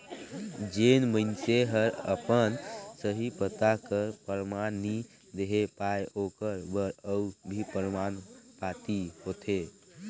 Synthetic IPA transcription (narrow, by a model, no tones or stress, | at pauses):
d͡ʒenməɪnseɦəɾə̰pənsəɦipət̪akəɾpəɾmani | d̪eɦepaeʔokəɾbəɾəubʱipəɾmanpat̪ihot̪ʰe